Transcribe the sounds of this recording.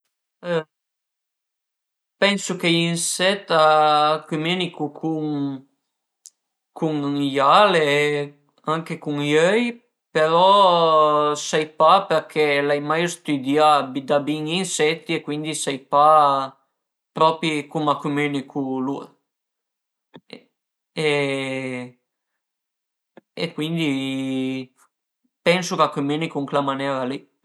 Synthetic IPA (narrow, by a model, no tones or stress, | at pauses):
pɛnsukeinsɛt̪ːakwimenikukʰuŋ | kʰuŋjale | aŋkekuŋjœj | peɾɔ | sajpapeɾkʰelajmajst̪yd̪iabid̪abiŋinsɛt̪ːiekːwind̪isɛjpa | pɾɔːpikumakːumenikʰuluḛ | e | ḛkːwind̪i | pɛnsokakumenikuŋklamanɛɾali